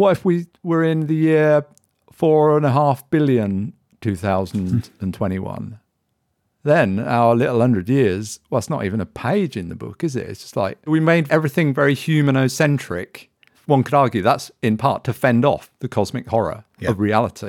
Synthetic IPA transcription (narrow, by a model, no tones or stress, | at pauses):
wʌɨfwiwə˞ɪ̃nðɨjɪɹ | fɔɹə̃nəɦɑfb̥ɪlˠjɨ̃n | tʰʉθaʊzn̩də̃ntʰw̥ɛ̃ɾ̃iwʌ̰̃n | ðɨ̃na̰ʊə˞lɪɾl̩ˠhʌ̃ndɹɨdjɪɹzwɛlˠətsnəɾḭvə̃nəpʰeɪd͡ʒɨ̃nðəbʊ̰kɨzɪ̰tʌ̥stla̰ɪk̚wimeɪdɛvɹiθɪ̃ŋvɛɹihjʉmɨnəʊsɛ̃nt͡ʃɹ̥ɪ̰k | wʌ̃nkʰəɾɑɹɡjʉðætsɨ̃npʰɑ̰ɹtʰəfɛ̃ndɔ̰fðɨkʰɒzmɨkhɔɹə̰ | ʌvɹiælˠəɾʰi